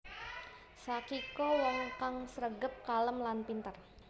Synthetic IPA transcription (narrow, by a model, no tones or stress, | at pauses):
sakikɔwɔŋkaŋsəɾəɡəp̚kaləmlanpint̪ər